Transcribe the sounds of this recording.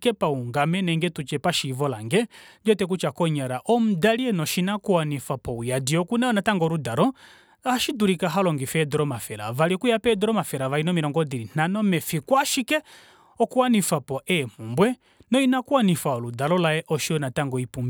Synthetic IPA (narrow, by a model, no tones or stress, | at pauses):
kɛpauŋɡamɛnɛŋɡɛtut͡ʃɛpaʃivɔlaŋɡɛd͡ʒɔtɛk̬ut͡ʃakɔɲaɾaʔɔm̩daliɛnɔʃinakuanifapɔujadiɔkunaɔnataŋɡɔɾudaɾɔ | haʃiduɾikaɦalɔŋɡifɛdɔɾɔmafɛɾa̰vaɾiɔkujapɛdɔɾɔmafɛɾavainɔmiɾɔŋɡɔd̪iɾin̥anɔmɛfikwaʃikɛ | ɔkuwanifapɔʔɛmumbwɛ | nɔinakwanifaɔludaɾɔlajɛʔɔʃiɔnataŋɡɔipum